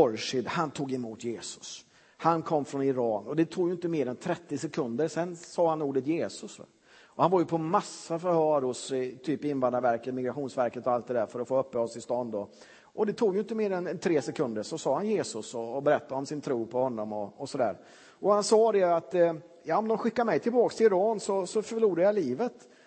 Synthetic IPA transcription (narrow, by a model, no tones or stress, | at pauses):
ɔɾʂɪd̪hant̪ʰuːɡɛmuːt̪jeːsɵ̥s | hankʰɔmːfɾɔnɪɾɑːnɔd̪ɛt̪ʰuːɡjʏɪnt̪̬əmeːɾɛnt̪ʰɾɛt̪ːɪsɛkʰɵnd̪əɾsɛnsɑːhanuːɖət̪jeːsɵs | ɔhanvaɾjɵpʰɔmasːafœɾhœːɾʊst̪ʰyːpɪnvand̪aɾvæɾkət̪mɪɡɾaɧuːnsvæɾkət̪ɔalt̪d̪ɛd̪æːɾfœɾɔfoːœpːəɔsʰɪlst̪ɔnd̪ɔ | ʔɔd̪ɛt̪ʰuːɡjɵɪnt̪̬ːəmeːɾɛnnt̪ʰɾeːsɛkʰɵnd̪əɾʂɔsɑːhanjeːsɵsɔːbɛɾɛt̪ːaɔmsɪnt̪ʰɾuːpʰɔhɔnːɔmɔːsɔd̪æ̰ːɾ | ɔhansɑːd̪ɛat̪ | jɑːɔmd̪ɔnɧɪkːaɾmɛjt̪ʰɪlbɑːkst̪ʰɪlɾɑːnsɔsɔfœɭuːɾajaliːvət̪